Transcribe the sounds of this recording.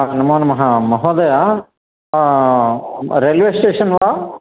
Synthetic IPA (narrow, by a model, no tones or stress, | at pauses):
anɐmoːnɐmɐɦɐmɐɦoːd̪ɐja | ɾelʋeːsʈeːʂɐnʋaː